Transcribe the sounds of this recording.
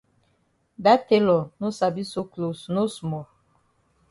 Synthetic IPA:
da˦te˦lɔ˨no˦sa˨bi˦so˦klo˨sno˦smɔ˨

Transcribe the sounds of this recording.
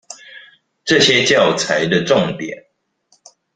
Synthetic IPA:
ʈ͡ʂɤ˥˨ɕjɛ˦t͡ɕjɑ˥˨ʊt͡sʰa˨˦ɪd̪ə˧ʈ͡ʂo˥˨ŋt̪jɛ˨˩˦n

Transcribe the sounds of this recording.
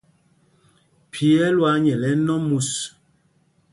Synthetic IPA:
pʰi˨ɛ˦lwa˨˦ɲɛ˨lɛ˦nɔ˦mu˨s

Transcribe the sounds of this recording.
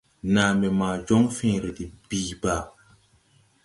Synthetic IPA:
na˨mɛ˨maː˨d͡ʒɔ˦ŋfɛ̃ː˨˦˨ɾe˨ti˨biː˦˨ba˨

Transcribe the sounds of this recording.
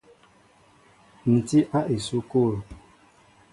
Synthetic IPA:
n̩˨ti˦ʔa˦ʔe˨su˦ko˦˨ɾ

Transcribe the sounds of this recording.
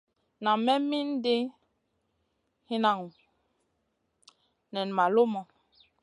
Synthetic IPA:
na˨mɛ˦mi˦n˦de˦ | hi˦na˨ŋu˨ | nɛ˨n˨ma˨lo˦mɔ˨

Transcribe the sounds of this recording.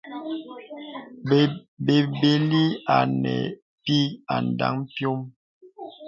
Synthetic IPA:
be˨be˨li˦a˨nɛ̰˨ | pi˦a˨n˨da̰˦ŋpjo˦m

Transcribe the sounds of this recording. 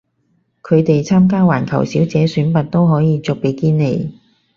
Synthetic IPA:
kʰɵ˨˧ɥt̪e˨jt͡sʰaː˥mk̬aː˥waː˨˩nkʰɐ˨˩wsiː˨˥wt͡sɛː˨˥syː˨˥npɐ˨t̚t̪o˥wɦɔː˨˥jiː˨˧t͡sɔ˨k̚pe˨˧jkiː˥nːe˨˧j

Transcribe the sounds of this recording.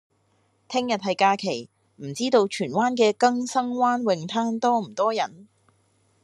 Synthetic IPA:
t̪ʰɪ˥ŋjɐ˨t̚ɦɐ˨jkaː˧kʰe˨˩j | m̩˨˩t͡siː˥t̪o˧wt͡ʃʰyː˨˩nwaː˥nkɛː˧kɐ˥ŋsɐ˥ŋwaː˥nwɪ˨˧ŋt̪ʰaː˥nt̪ɔː˥m̩˨˩t̪ɔː˥jɐ˨˩n

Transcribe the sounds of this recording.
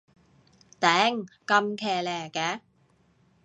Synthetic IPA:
t̪ɛː˨˦˩ŋka˧mkʰɛː˨˩lɛː˨˩kɛ˨˦˩

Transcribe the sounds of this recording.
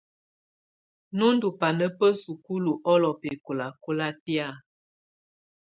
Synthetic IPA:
nu˦n˦du˨pa˨nə˦pə˦su˨ku˦lu˨ʔɔ˦lɔ˨pe˨ku˨la˨ko˦la˦ti˦a˦˨

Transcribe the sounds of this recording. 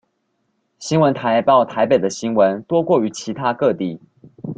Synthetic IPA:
ɕi˥nwə˨˦nt̪ʰa˨˦ɪpɑ˥˨ʊt̪ʰa˧˦ɪpe˨˩ɪd̪ə˦ɕi˦˥nwə˨˦nt̪wɔ˦˥kwɔ˥˩y˨˧˥t͡ɕʰi˨˧˥t̪ʰa˦˥kɤ˥˧t̪i˥˨

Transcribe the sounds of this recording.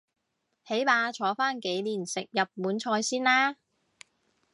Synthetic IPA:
he˨˥jmaː˧t͡ʃʰɔː˨˥faː˥nke˨˥jliː˨˩nsɪ˨k̚jɐ˨p̚muː˨˥nt͡ʃʰɔː˧jsiː˥nlaː˥

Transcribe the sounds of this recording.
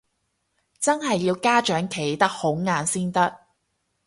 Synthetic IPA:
t͡sɐ˥nɦɐ˨jːiː˧wkaː˥t͡ʃœː˨˥ŋkʰe˨˥jt̪ɐ˥k̚ho˨˥wŋaː˨˧nsiː˥nt̪ɐ˥k̚

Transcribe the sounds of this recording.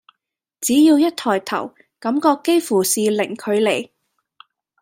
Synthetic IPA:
t͡siː˨˥jiː˧wjɐ˥t̚t̪ʰɔː˨˩jt̪ʰɐ̰˨˩w | kɐ˨˥mkɔː˧kːe˥jfuː˨˩siː˨lɪ˨˩ŋkʰɵ˨˧ɥle˨˩j

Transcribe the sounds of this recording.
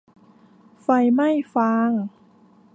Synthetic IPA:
fa˧jma˥˩jfaː˧˥ŋ

